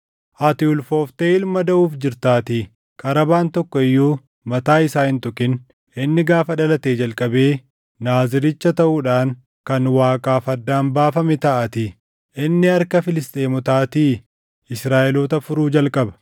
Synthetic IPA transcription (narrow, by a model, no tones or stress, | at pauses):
ʔɐt̪ɪʊlfo̞ːft̪eːɪlmɐd̪ɐʔuːfd͡ʒɪɾt̪aːt̪i | kʼɐɾɐbaːnt̪ɔkːɔɪjːuː | mɐt̪aːɪsaːhɪnt̪ʊkɪn | ɪnːɪɡaːfɐᶑɐlɐt̪eːd͡ʒɐlkʼɐbe̞ː | naːzɪɾɪt͡ʃːɐt̪ɐʔuːᶑaːŋ | kɐnwaːkʼaːfɐd̪ːaːnbaːfɐmɛt̪ɐʔɐt̪ɪ | ɪnːɪɐɾkɐfɪlɪst̪ʼeːmʊt̪aːt̪iː | ɪsɾaːʔɛloːt̪ɐfʊɾuːd͡ʒɐlkʼɐbɐ̥